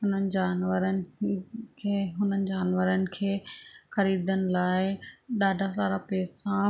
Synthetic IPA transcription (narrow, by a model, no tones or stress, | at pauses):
ɦʊn̤ənɪ̆d͡ʑaːnʋəɾənɪ̆kʰeːɦʊn̤ənɪ̆d͡ʑaːnʋəɾənɪ̆kʰeːxɐɾiːd̪ənɪ̆laːɪɗaːɖʱasaːɾapɛːsã